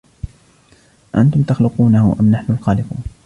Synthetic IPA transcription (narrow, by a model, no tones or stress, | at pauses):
ʔa̰nt̪ʊmt̪ɑxlʊquːnahʊ̰ʔamnaħnʊlxɑːlɪqṵːn